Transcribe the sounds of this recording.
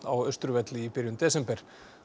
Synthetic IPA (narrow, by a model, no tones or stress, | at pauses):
awœst̪ɾʏvɛt̪lɪipɪɾjʏnt̪ɛːsɛmpɛɾ̥